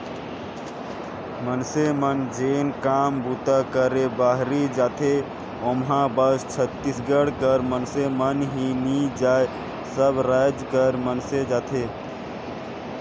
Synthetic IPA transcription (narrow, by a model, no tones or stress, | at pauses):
mənsemənd͡ʒenkambut̪akəɾebaɦɾid͡ʒaːt̪ʰe | omɦãbəst͡ʃʰət̪ːisɡəɽkəɾmənsemənɦinid͡ʒae | səbɾad͡ʒkəɾmənsed͡ʒat̪ʰe